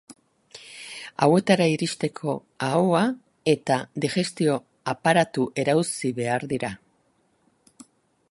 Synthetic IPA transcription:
a̰we̞t̪aɾaiɾist̪e̞kʰo̞ | awa | e̞t̪ad̪iʝe̞st̪io̞ | apaɾat̪uʔe̞ɾawsiβe̞aɾðiɾa

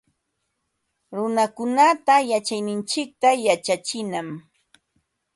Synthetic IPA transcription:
ɾʊnakʊnat̪ajat͡ʃajnɪnt͡ʃɪk̚t̪ajat͡ʃat͡ʃɪnam

